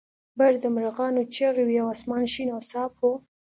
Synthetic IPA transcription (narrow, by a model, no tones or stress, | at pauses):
baɾd̪əmɾaɣɑnot͡ʃaɣiwijawɑsmɑnʃinawsɑpʰo